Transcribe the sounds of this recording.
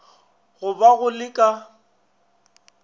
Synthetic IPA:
ɣʊbaɣʊlɪkʼa

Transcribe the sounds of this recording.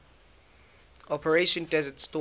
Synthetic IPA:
ɔpʰəɹeʃɔ̃ndɛzətstɔ

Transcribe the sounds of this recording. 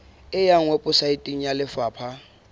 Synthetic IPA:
ɪjaŋ̩wɛpʼʊsaitʼiŋ̩jalɪfaːpʰa

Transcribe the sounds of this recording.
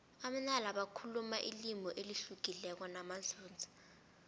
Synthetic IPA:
am̩nalaɓakʰulumaʔḭlimʱɔʔeliɬuɡ̥ʱilɛk̬ɔnamaɮuːnd͡zʱḁ

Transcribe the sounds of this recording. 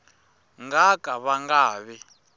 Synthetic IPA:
ŋɡakʼaβaŋɡaːβɛ

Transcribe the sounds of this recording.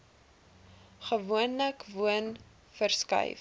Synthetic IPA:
χəvuənləkvuən | fərskɐ̰jf

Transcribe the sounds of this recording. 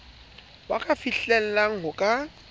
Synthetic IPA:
wakʼafiɬɛl̩laŋ̩ɦʊkʼa

